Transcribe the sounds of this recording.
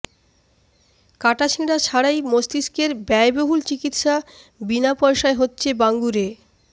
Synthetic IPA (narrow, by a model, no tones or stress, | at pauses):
kaʈaʃʰĩɽat͡ɕʰaɽajmost̪iskeɾbɛeboɦult͡ɕikit̪ʃa | binapɔjʃaeɦotːɕʰebaŋɡuɾe